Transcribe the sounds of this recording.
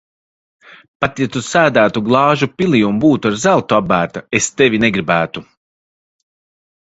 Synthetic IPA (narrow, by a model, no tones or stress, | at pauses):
pat̪ɛt̪usæːd̪æːt̪uɡlˠɑːʒupʲilijumbuːt̪uaɾzælˠt̪uabæːt̪aest̪evʲinɛɡɾibæːt̪u